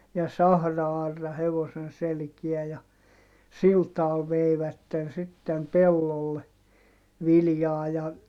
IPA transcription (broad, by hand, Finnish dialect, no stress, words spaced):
jɑ sɑhrɑɑrːɑ heʋosen selkiæ jɑ sil tɑːl ʋeiʋætːen sitːem pelːolːe ʋiljɑː jɑ